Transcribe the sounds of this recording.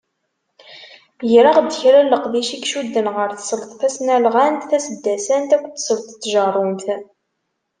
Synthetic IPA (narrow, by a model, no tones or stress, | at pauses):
jɾəʁd̪ːəçɾælːəqðiʃikʃud̪ːənʁəɾθəsəɾt̪θæsnælʁænt̪θæsəd̪ːæsænt̪ækʷːt̪səɾt̪t̪ːʒɑrˤːʊnt̪